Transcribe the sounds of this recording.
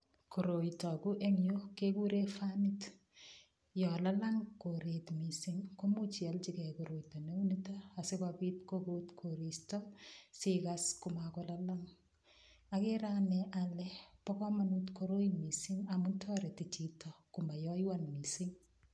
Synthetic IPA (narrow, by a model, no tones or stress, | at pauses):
koɾoitɔkuʔeŋjokekuɾefanit | jɔlalaŋkoɾetmisiŋkomut͡ʃialt͡ʃikɛkoɾoitɔneunitaːsekapitkokutkʰoɾistɔsɪkaskumakɔlalaŋ | akeɾanɛʔalɛpɔkɔmanutkoɾojimisiŋamuntʰɔɾetit͡ʃitɔkumajɔjwanmisɪŋ